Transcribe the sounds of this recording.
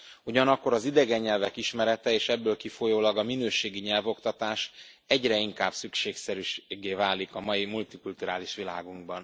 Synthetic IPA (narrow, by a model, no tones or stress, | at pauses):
uɟɒnɒkːo̞ɾɒzid̪ɛɡɛɲːɛlvɛkiʃmɛɾɛt̪ɛeːʃɛbːøːlkifojoːlɒɡɒminøːʃeːɡiɲɛlvo̞kt̪ɒt̪aːʃ | ɛɟrɛiŋkaːbsykʃeːksɛɾyʃɡːeːvaːlikɒmɒjimult̪ikult̪uɾaːliʃʋila̰ːɡuŋɡbɒn